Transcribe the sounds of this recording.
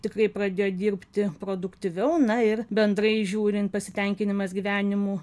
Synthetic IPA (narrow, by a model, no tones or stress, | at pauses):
t̪ʲɪkɾɐɪpɾɐd̪ʲeːjoːd̪ʲiːɾʲpʲt̪ʲɪpɾoːd̪ʊkt̪ʲɪʋʲɛʊnɐɪrbʲɛnd̪ɾɐɪʒʲuːɾʲɪnt̪̚pɐsʲɪt̪ʲɛŋʲkʲɪnʲɪmɐsɡʲiːʋʲæːnʲɪmuː